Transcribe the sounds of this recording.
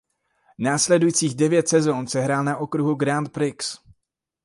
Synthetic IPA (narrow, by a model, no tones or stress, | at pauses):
naːslɛdujt͡siːɣdɛvjɛt̪sɛzonsɛɦɾaːlnaʔo̞kɾuɦuɡɾant̪̚pɾɪks